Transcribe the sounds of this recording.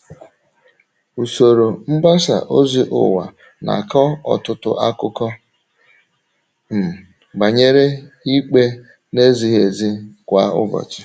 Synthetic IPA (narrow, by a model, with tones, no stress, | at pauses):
u˨so˨ɾo˨m̩˦ba˦sa̰˨ʔo˦zi˦ʔʊ̰˨wa̰˨ | na̰˨kɔ˦ɔ˨tʊ˦tʊ̰˦ʔa˦kʊ˦kɔ˦ | m̩˨ | ɡ͡ba˨ɲe˦ɾe˦i˦k͡pe˦ | ne˦zi˨ɦe˨zi˦kʷa˨˦ʊ̰˦bɔ̰˨t͡ʃɪ̥˨